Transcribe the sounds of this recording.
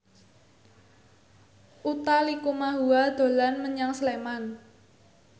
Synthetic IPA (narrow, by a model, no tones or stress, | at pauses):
ʔut̪alikumaɦuad̪̥o̤lanməɲaŋsleman